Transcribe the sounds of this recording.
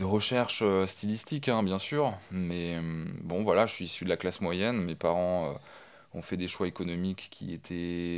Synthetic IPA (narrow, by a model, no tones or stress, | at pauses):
d̪əʁəʃɛʁʃøst̪ilist̪ikɛ̃bjɛ̃syːʁmɛbɔ̃vwalaʒəsɥiːsyd̪əlaklasmwajɛnmepaʁɑ̃ø̰ | ɔ̃fɛd̪eʃwaekɔnɔmikkʰʲːḭet̪ʰɛ